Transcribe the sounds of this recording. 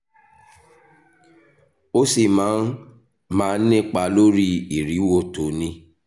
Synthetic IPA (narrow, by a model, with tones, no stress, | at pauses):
o˦si˨mãː˨˦n | mãː˦nĩ˦k͡pa˧lo˦ɾi˦i˨ɾi˨˦wo˦˨to˨˦nĩ˧˦